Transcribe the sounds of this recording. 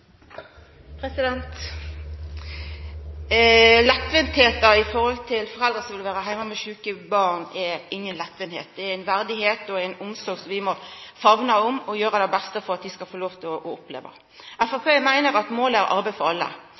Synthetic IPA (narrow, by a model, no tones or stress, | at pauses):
pʰɾɛsɪd̪ɛnt̪ | lɛp̪ʋənt̪heːt̪ɑɪfɔɾhɔlt̪ʰɪlfɔɾɛld̪ʁəsɔmʋɪlʋæːɾəɦæɪmɑmɛʃʉːkəbɑɾnɛɪŋːənlɛp̪ʋənhḛːt̪̚d̪ɛæɪnʋæɾd̪ɪɦeːt̪ɔæɪnʊmsɔɾɡsɔmʋɪmɔfɑʋnɑɔmɔjøːɾəd̪ɛbɛst̪əfɔɾɑt̪̚d̪ɪskɑfoːloːʋt̪ʰɪɔʔɔʊplḛːʋə̰ | æfɑpʰeːmæɪnəɾɑt̪moːlæɾʔɑ̰ɾbɛfɑlə̰